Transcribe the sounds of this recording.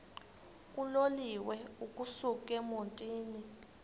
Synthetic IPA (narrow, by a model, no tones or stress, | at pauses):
k̬ʼuloliwɛukʼusuk̬ʼɛmontʼiːni